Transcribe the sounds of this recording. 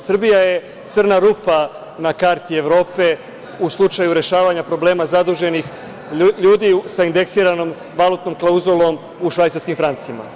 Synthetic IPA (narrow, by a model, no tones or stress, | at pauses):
sr̩bijaje̞ | t̪sɨrnaɾuːpa | nakaɾt̪ie̞ʋɾo̞ːpe̞ | uslˠut͡ʃajuɾe̞ʃaːʋaɲapɾo̞ble̞ːmazad̪uʒe̞nix | ʎuːd̪isaind̪e̞ksiːɾano̞m | ʋalˠut̪no̞mklˠauzulˠo̞m | uʃʋajt̪aɾskimfɾant̪siima̰